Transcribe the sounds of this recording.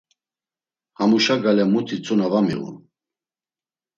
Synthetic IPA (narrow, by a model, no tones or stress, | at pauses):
hamuʃaɡalɛmut̪ʰit͡sʼunavamḭʁṵn